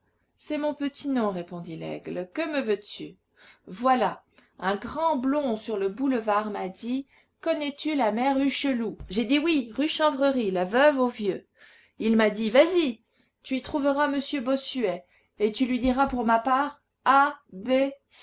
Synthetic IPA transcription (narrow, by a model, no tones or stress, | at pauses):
sɛmɔ̃pət̪ʰinɔ̃ʁepɔ̃d̪ilɛ̰ɡlkəməvøt̪y | vwala | ɛ̃ɡʁɑ̃blɔ̃syʁləbuləvaʁmad̪i | kɔnɛt̪ylamɛʁyʃəluʒed̪iwiʁyʃɑ̃vʁəʁilavœvovjø | ilmad̪ivazi | t̪yit̪χuvəʁaməsjøbɔsyɛ | et̪ylɥid̪iʁapuʁmapaʁ | abe